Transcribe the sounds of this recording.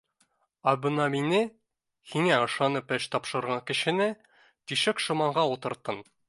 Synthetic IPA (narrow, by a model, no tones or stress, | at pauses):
ɑbɤnɑminɘ | hiŋæɤ̆ʃɑnɤpɘʃt̪ɒpʃɤ̆ɾʁɑŋkɘ̆ɕɘ̆nɘ | t̪iʃɘkʃŏmɑɴɢɑut̪ɤ̆ɾt̪ɤn